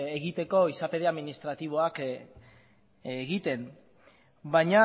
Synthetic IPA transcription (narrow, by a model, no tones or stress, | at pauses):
eɣit̪e̞ko̞isape̞ð̞e̞aðminist̪ɾat̪iβ̞o̞ak | ɣit̪e̞m | baɲa